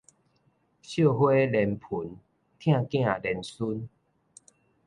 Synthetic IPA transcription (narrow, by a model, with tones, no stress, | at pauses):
ɕjo˥˨ɦwe˦lɛ˧˩npʰu˨˩˦n | t̪ʰj̃ã˥˧˨kj̃ã˥˨lɛ˨˩nsu˦n